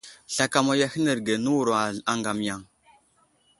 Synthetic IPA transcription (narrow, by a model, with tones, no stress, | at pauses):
ɬa˨ka˨ma˨ja˦hi˦nə˨ɾɡe˨nə˦wu˨ɾa˨a˨ŋɡa˨m˨ja˨ŋ